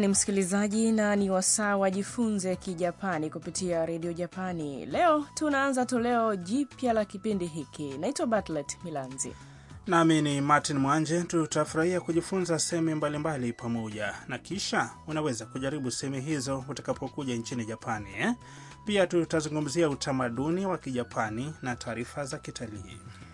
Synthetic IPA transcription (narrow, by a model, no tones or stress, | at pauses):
nim̩si̥kilizaʄinaniwasaːwaʄifunzɛkiʄapanikupitiaɾɛɗiɔʄapanḭlɛɔtunaanzatɔlɛɔʄipjalakipindiɦikinaitwaɓatlɛtmilanzḭ | naminimatinmwand͡ʒɛtutafuɾahiakuʄifunzasɛɛmumbalimbalipamɔʄanakiʃaunawɛzakuʄaɾiɓusɛhɛmuɦizɔutḁkapʰɔkuʄaiɲt͡ʃiniʄapʰaniɛ | piatutazuŋɡum̩ziautʰamaɗuniwakiʄapʰaninatʰaːɾifazakitʰalḭː